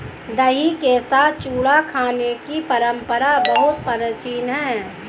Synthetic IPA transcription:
d̪əɦikesaːt̪̚ʰt͡ʃuːɽakʰaːnekipəɾə̃mpəɾabəɦʊt̪̚pəɾət͡ʃiːnɦɛ̃ː

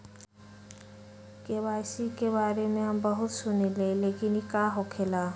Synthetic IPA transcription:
kʼeβasikʼebaɾemɪambaɦʊsʊnilelekʼinikʼaɦɔkʰɛla

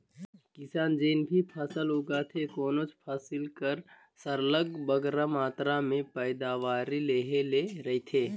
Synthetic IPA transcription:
kɪsaːnd͡ʒeːnbʱipʰəsəlɦuɡat̪ʰekoːnoːt͡ʃpʰasɪlkəɾ | səɾləɡbəɡɾamaːt̪ɾamẽpəɪd̪aːʋaːɾileɦeleɾəɦit̪ʰeː

